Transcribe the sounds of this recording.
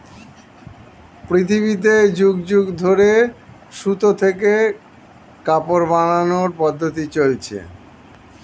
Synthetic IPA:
pɾit̪ʰiβit̪̬ed͡ʑuɡd͡ʑuɡd̪ʱoɾe | ʃut̪ot̪ʰeke | kapoɾbananoɾpɔd̪ʱːot̪̬it͡ɕolt͡ɕʰḛ

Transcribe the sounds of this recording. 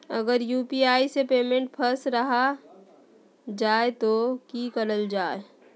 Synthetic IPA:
ə̰ɡəɾjuːpiaːisepeːmẽɳʈpʰəɾsɾɐɦa | d͡ʒaːet̪okikəɾəld͡ʒaːe

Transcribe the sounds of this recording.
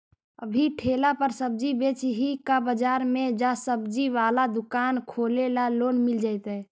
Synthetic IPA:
ə̰bʱiʈʰeːlapəɾsəb̚d͡ʒibet͡ʃɦikabəd͡ʒaːɾmẽd͡ʒasəbd͡ʒiʋaːlad̪ʊkaːnkʰoːlelaloːnmɪld͡ʒaːɪt̪ɛ

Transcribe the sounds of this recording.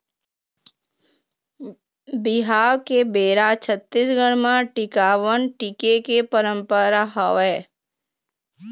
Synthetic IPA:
bɪɦaːwkebeːɾat͡ʃʰət̪ːisɡəɽ̃mãʈɪkaːʋənʈɪkekepəɾə̃mpəɾaɦɔʋɛː

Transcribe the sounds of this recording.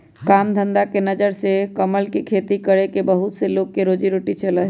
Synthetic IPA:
kamd̪ʱənd̪akenəd͡ʒəɾsekəməlkekʰet̪ikəɾekebəɦut̪selokːeɾod͡ʒiɾoʈit͡ʃələ

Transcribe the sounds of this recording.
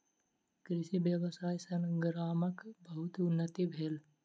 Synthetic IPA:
kɾɪʃibjəwəsaːjsɐnɡɾaːməkbəɦʊt̪ʊnːət̪ibʱeːl

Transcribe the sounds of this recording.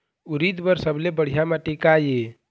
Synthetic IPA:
uɾid̪bəɾsəblebəɽ̤ijamãʈekaje

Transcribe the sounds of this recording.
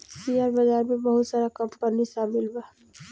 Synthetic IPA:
siaːɾbɐzaːɾmẽbɐɦʊt̪saːɾakɐmpɐɾnisaːmɪlbaː

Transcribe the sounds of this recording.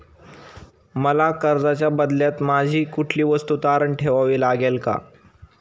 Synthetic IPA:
məlakəɾd͡zat͡ɕjabəd̪ljat̪mad͡ʑʱiːkuʈʰliːʋəst̪ut̪aɾəɳʈʰeʋaʋiːlaɡelka̰

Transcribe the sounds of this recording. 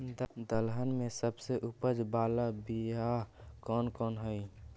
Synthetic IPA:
d̪əlɦənmẽsəbseʔupəd͡ʒbaːlabiɦakɔːnkɔːnɦəi

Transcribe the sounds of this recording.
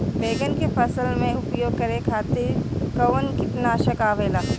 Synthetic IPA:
beːɡənkepʰɐsəlmẽʊpjoːɡ̚kɐɾekʰaːt̪iɾkɐwənkɪt̪naːʃɐkaːʋeːlaː

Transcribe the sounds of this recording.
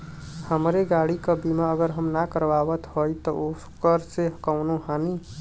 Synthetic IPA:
həmɾeɡaɽikəbimaəɡəɾɦəmnakəɾʋabət̪ɦojt̪ɔo | kəɾseɦəkaʊnuɦani

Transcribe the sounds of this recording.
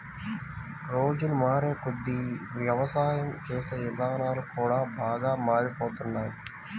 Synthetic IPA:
ɾo̞ːd͡ʒunumaːɾeːkud̪ːiʋjɐʋɐsaːjɐmt͡ʃɛːsɐjid̪aːnaːlukuːɽaːbʱaːɡaːmaːɾipoːt̪unːaːju

